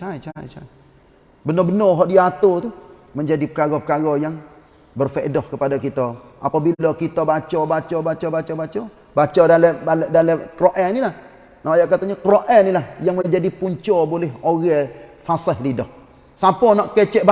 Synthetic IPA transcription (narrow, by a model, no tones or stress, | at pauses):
t͡ʃat͡ʃat͡ʃa̰j | bənɔbənɔɦɔʔdiat̪ot̪uməɲd͡ʒadipəkaɡɔpəkaɡɔjaŋ | bərfɛʔdɔhkəpadakit̪aʔa̰pabilɔkit̪abat͡ʃɔbat͡ʃɔbat͡ʃɔbat͡ʃɔbat͡ʃɔ | bat͡ʃɔdalɛaldaləkɾoʔɛnilah | naajaʔkat̪aɲakɾoʔɛnːilahjaŋməɲd͡ʒadipuɲt͡ʃɔbolɛɦoɣɛfasəhlidɔh | sapɔnɔʔkɛt͡ʃɛʔb